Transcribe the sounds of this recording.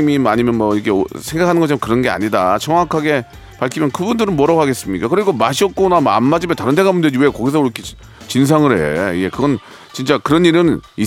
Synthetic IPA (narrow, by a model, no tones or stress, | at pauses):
mimaɲimjʌnmʌikʰesʰeŋɡakʰanɯnɡʌt͡ɕʰamkɯɾʌnɡe̞a̰ɲidat͡ɕʰʌŋwakʰaɡe̞ | paɭkʰimjʌnkɯbundɯɾɯnmʌɾaɡaɡe̞s͈ɯmɲik͈akɯɾiɡomaɕʰiʌt̚k͈onamoa̰nmad͡ʑimetaɾɯndʰe̞ɡamundwed͡ʑiwe̞kʌɡis̬ʰʌuɾkʰe | t͡ɕins̬ʰaŋɯɾhe̞ḛiɡe̞kɯɡʌn | t͡ɕint͡ɕ͈akɯɾʌniɾɯni